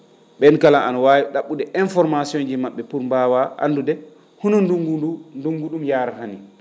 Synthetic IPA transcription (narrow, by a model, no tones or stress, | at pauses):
ɓɛnkalaʔanawaːwiɗaɓːudɛʔinfɔɾmasiɔnd͡ʒimaɓːɛpuɾmbawaʔa̰ndudɛ | hunɔnduŋɡuunduŋɡuɗumjaːɾaɦani